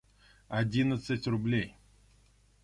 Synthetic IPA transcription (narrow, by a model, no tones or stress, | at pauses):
ɐdʲinət̪sətʲrʊblʲej